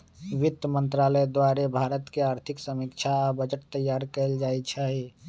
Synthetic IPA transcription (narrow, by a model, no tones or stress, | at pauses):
ʋit̪ːəmənt̪ɾaləd̪waɾebʱaɾət̪keaɾt̪ʰiksəmikt͡ʃʰaabəd͡ʒəʈ̚t̪əjːaɾkəld͡ʒajt͡ʃʰɛɦi